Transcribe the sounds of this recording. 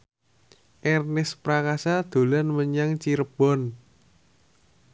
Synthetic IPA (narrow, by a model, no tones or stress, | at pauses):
ʔɛrnɪspɾakasad̪̥o̤lanməɲaŋt͡ʃiɾəb̥ɔ̤n